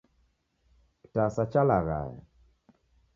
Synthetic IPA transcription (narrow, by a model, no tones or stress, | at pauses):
tasat͡ʃalaɣa̰jɛ̰